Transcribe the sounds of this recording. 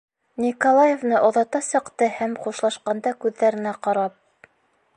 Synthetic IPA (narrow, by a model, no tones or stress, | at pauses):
nʲikolˠajevnɤʔoðɑt̪ɑsɤ̆qt̪ɤhæmχuʃlˠɑʃqɑnd̪ɑkʉðːæɾɘ̆næqɑɾɑp̚